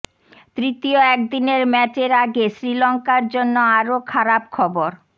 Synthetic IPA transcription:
t̪ɾit̪ioɛk̚d̪ineɾmɛt͡ɕeɾaɡesɾilɔŋkaɾd͡ʑonːoaɾokʰaɾapkʰɔboɾ

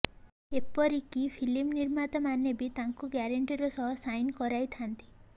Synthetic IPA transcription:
epɔɾikipʰilimniɾmat̪ɔmanjebit̪aŋkuɡaɾeɳʈiɾɔsɔɦɔsajnkɔɾajt̪ʰant̪i̥

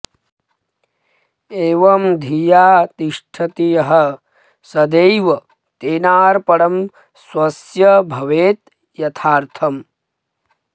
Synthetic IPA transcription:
eːʋɐmd̪ʱijaːt̪iʂʈʰɐt̪ijɐɦɐ | sɐd̪ejʋɐ | t̪eːnaːɾpɐɽɐm | swɐsjɐbʱɐʋeːt̪ | jɐt̪ʰaːɾt̪ʰɐm

